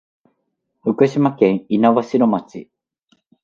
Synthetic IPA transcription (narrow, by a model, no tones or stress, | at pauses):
ɸɯ̟kɯ̟ɕimakẽ̞ɰ̃inaβaɕiɾo̞mat͡ɕi